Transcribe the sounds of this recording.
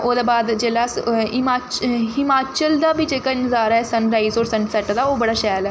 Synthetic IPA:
oːd̪aːbaːd̪d͡ʒeːlaːɪmaːt͡ʃɦɪmaːt͡ʃəld̪aːbʱiːd͡ʒeːkaːɪ̃nt̪ɪzaːɾɛsənɾaːizoːɾsənsɛʈd̪aːoːbəɽaːʃɛːlɛː

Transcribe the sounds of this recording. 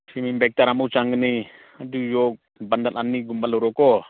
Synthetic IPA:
simimbɛk̚taɾamawt͡ʃaŋɡəni | adujɔk̚bandalʔanːiɡumbalɔɾɔkɔ

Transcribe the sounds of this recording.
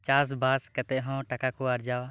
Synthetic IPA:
t͡ʃas̬baskɛt̪ɛʔɦɔ̃ʈakakɔaɾd͡ʒawa

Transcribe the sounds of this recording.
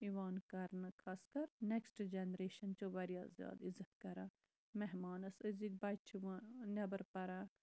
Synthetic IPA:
iʋaːnkɐɾnɐkʰɐskɐɾneksʈd͡ʒenɾeːʃɐnt͡ʃoʋɐɾijaːzja̰ːd̪izɐt̪kɐɾa | meɦmaːnɐsɐziɡ̚bɐt͡ʃʰʋnɐbɐɾpɐɾa

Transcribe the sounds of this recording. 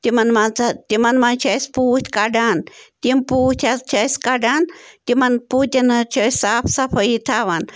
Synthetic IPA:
t̪imɐnmant͡sat̪imɐnmɐnt͡ʃʰɐsʲpuːt̪ʰʲkaɖant̪impuːt̪ʲʰat͡ʃʰɐsʲkaɖaːnt̪imɐnput̪ʲɐnɐt͡ʃʰəsaːpʰsɐpʰəit̪ʰaʋan

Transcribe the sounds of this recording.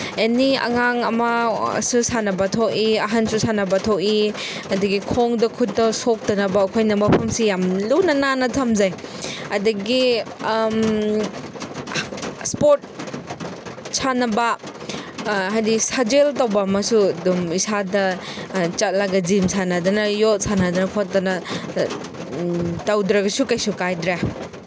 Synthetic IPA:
eniɐ̰ŋaŋɐmɐsusanɐbɐtʰokiɐɦansusanɐbɐtʰoki | ɐdɐɡikʰoŋdɐkʰut̚ːɐsok̚tɐnɐbɐːkʰojnɐmɐpʰɐmsijamlunɐnanɐtʰɐmzajɐdɐɡi | spoɾt̚ | sʰanɐbɐ | ɦajdisad͡ʒeltawbɐmɐsudumisadɐ | t͡ʃat̚laɡɐd͡ʒimsanɐdɐnɐjot̚sanɐdɐnɐkʰot̚tɐnɐ | tawdɾɐɡɐsukajsukajdɾa

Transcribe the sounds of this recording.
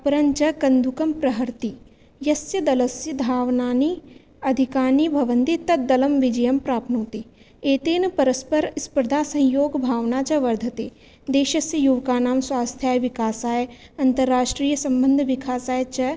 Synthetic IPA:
ɐpɾɐnt͡ʃɐkɐ̃nd̪ʱukɐmpɾɐɦɐɾt̪i | jɐsjɐd̪ɐlɐsjɐd̪ʱaːʋnaːni | ɐd̪ʱikaːnibʱɐʋənd̪it̪ɐd̪ɐlɐmʋɪd͡ʒɐjɐmpɾaːpnoːt̪i | eːt̪eːnɐpɐɾɐspɐɾspɾɐd̪ʱaːsɐ̃ɦjoːɡbʱaːʋnaːt͡ʃɐʋɐɾd̪ʱɐt̪eː | d̪eːʃɐsjɐjuʋkaːnaːmswaːst̪ʰjaːjʋɪkaːsaːj | ɐnt̪ɐɾːaːʃʈɾiːjəsɐ̃mbə̃nd̪ʱʋɪkʰaːsaːjt͡ʃɐ

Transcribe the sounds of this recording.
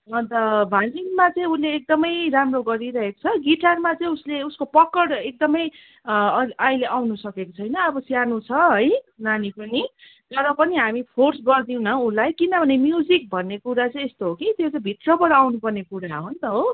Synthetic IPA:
ʌnt̪ʌbʱaliŋmat͡sʌĩuleːk̚d̪ʌmʌjramroɡʌɾiɾʌɦeko̥t͡sʰʌɡiʈarmat͡sʌĩusleuskopʌkːʌɽek̚d̪ʌmʌj | ajleʔawnusʌkekot͡sʰʌjnʌːbʌsjanut͡sʰʌɦʌjnanipʌni | t̪ʌɾʌpʌniɦamipʰorsɡʌrd̪iũnʌ̃ulajkinʌbʱʌnemjud͡zik̚bʱʌnːekuɾat͡sʌĩest̪oɦokit̪jot͡saĩbʱit̪rʌbʌɽʌawnupʌrnekuɾaɦont̪ʌɦo

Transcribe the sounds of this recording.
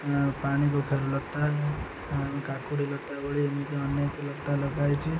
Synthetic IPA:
paɽ̃ikokʰeɾulək̚t̪aɦɛ | ə̃kakuɽilət̪aɦɛbəɽiemik̪eəneklət̪aləɡajt͡ʃʰi

